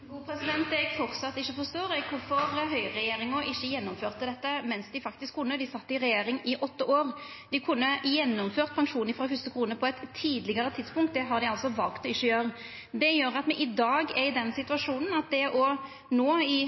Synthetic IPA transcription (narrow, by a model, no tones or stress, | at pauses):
uːpʰɾɛsɪd̪ɛnt̪d̪ɛɡfɔɾt̪sɑt̪ːɪçːəfɔst̪oːɾɛɡkʰʊɾfɔɾɦœʏɾɛjeːɾɪŋɔʔɪçːəjɛnːɔmføːʁt̪əd̪ɛt̪ːəmɛnsd̪ɪfɑk̚t̪ɪskʰːʊnːəd̪ɪsɑt̪ːəɪɾɛjeːɾɪŋɪʔɔt̪ːəʔoːɾ | d̪̥ɪkʰʊnːəjɛnːɔmføːʁt̪̚pʰɑŋʂuːnɪfʁɑfʏst̪əkʰɾuːnəpʰɔɛt̪ʰːiːd̪lɪɡəɾət̪ʰɪd̪spʊŋkt̪̚d̪ɛɦɑʁd̪ɪɑlsɔʋɑlkt̪ɔɪçːəjøːɾə | d̪ɛjøːɾɑt̪mɛʔɪd̪ɑːɡɛɪd̪ɛnːsɪt̪ʉɑʂuːnn̩ɑt̪̚d̪ɛʔɔ | noːɪ